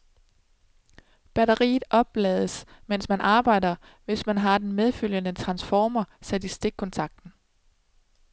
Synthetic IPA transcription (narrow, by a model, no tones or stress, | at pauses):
b̥æɾɐʁḭːð̩ˠʔɒ̽b̥ːlɛːðˠəsmensmænʔɑ̈ːb̥ɑ̈ɪ̰d̥ɐ | ʋe̝smænɦɑ̈d̥enmeð̞ˠføl̰jənət͡sʰʁɑ̈nsfɒːmɐsæd̥isd̥eɡ̥̚kʰɒnt͡sʰɑ̈ɡ̥̚d̥n̩